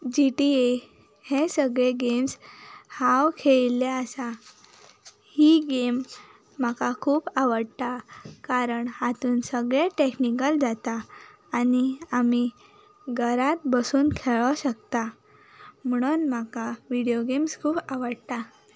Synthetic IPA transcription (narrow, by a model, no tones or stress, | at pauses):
d͡ʑiʈie | hẽsəɡɭeɡemshawkʰeɭileəsa | hiɡemː | akakʰuːbaʋəɽt̪akaɾəɳhat̪uːnsəɡɭeʈeknikəld͡zat̪aː | niami | ɡʱəɾat̪̚bəsuːnkʰeɭəɕəkt̪a | m̤əɽ̃uːnmakaʋiɽijoɡemskʰuːbaʋəɽt̪a